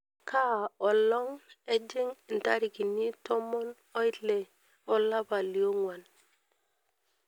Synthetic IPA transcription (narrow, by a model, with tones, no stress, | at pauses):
kʰa˦˨o˨lɔ˦ŋe˦d͡ʒe˦ŋ˨n̩˨ta˦ɾi˨ki˨ni˦tʰo˦mo˦n | o˦i˦le˨ | o˦la˦ba˨li˨o˦ŋwa˨n